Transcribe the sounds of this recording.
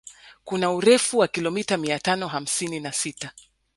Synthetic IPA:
kunauɾɛfuwakilɔmitamiatanɔɦam̩sininasita

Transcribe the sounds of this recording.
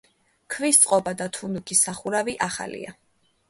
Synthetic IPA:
kʰvist̪sʼqʼɔbad̪at̪ʰund̪ukʰisaχuɾaviʔaχa̰lḭa̰

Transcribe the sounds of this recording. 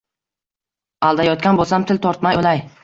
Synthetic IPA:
alˠd̪ajɒt̪kʲanbolˠsamt̪ʰɪlt̪ʰɒɾt̪majolaj

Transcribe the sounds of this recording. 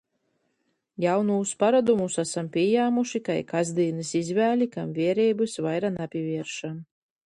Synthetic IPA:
jawnuːspaɾad̪umusasampʲiɛjaːmuʃikajkazd̪iːnɨsizvæːlʲikamvʲiɛɾɛːbɨsvajɾanapʲivʲiɛɾʃan

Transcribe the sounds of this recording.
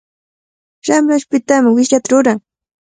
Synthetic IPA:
ʃamɾaʃpɪt̪amɪwɪʃjat̪aɾʊɾaŋ

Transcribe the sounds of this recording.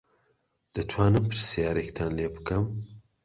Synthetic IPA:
d̪̥ɐt̪ʰwaːnɨmpʰɨɾsijaːɾekt̪ʰaːnleːbɨkɐm

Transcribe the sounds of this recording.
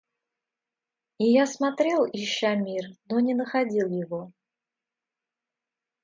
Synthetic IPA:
ijasmat̪ɾʲɛlˠiɕːamʲirnɔnʲɛnəxad͡zʲilˠjɪvɔ

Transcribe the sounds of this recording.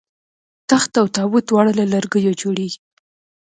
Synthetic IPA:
t̪axt̪awt̪ɑwut̪wɑɽəlalaɾɡəjod͡ʒoɽeɡi

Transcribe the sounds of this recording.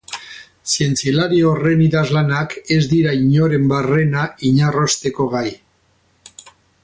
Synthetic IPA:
sie̞nt͡sielaɾiore̞niðazlanake̞zd̪iɾaiɲo̞ɾe̞mbare̞naiɲaro̞st̪e̞ko̞ɣaj

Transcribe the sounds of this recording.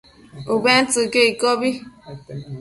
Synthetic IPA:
uben̩tɨkeikɔbi

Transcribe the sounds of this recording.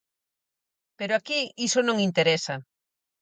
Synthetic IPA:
peɾoakiisonõŋint̪eɾesa

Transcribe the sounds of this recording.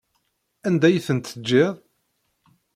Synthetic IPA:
ænd̪æjθənt̪ːəd͡ʒːɪðˤ

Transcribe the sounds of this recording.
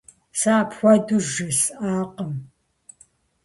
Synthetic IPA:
saːpxʷɔduʒɪsʔaːqəm

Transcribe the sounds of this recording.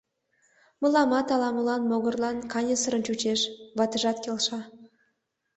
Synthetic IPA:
məlˠɑmɑt̪ɑlˠɑmɤlˠɑnmoɣə̆rlˠɑnkɑnʲesəɾə̆nt͡ɕut͡ɕeʃvɑt̪ə̆ʒɑt̪kʲelʲʃɑ

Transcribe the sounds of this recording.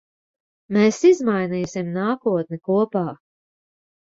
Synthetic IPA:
meːsizmajniːsimnaːkuɔt̪̚nikuɔpaː

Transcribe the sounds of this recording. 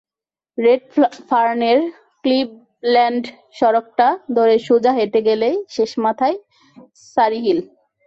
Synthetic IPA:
ɾeɖfaɾneɾ | klib̚ | lɛɳɖ | ʃɔɾok̚ʈad̪ʱoɾeʃud͡ʑaɦeʈeɡeleʃeʃmat̪ʰae | saɾiɦil

